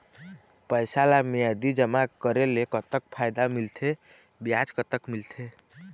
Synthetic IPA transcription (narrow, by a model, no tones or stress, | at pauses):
pəjsalamijad̪id͡ʒəmakəɾelekət̪əkpʰajd̪amilt̪ʰe | bijad͡ʒkət̪əkmilt̪ʰe